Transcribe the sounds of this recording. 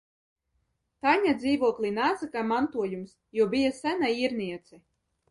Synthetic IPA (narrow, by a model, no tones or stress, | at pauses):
t̪aɲad̪ziːvuɔklʲˠinaːsakamant̪uɔjums | juɔbijasænaiːɾniɛt̪sɛ